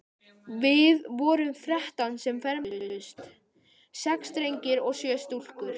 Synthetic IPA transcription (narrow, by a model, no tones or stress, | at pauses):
vɪðvɔːɾʏmθɾɛht̪ansɛmfɛɾmʏst̪ | sɛkst̪ɾejɲcɪɾɔɣsjœːst̪ul̥kʏɾ̥